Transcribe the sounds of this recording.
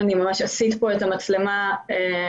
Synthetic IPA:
nimamaʃasit̪po̞etamat͡slemae

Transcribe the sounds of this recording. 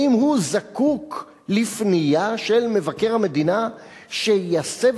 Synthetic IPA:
imhuzakuk | lifnijaʃelme̞vake̞ʁhame̞d̪ina | ʃejasev

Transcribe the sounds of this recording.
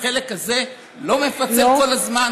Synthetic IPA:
e̞le̞kaze̞ | lo̞mefat͡seko̞lazman

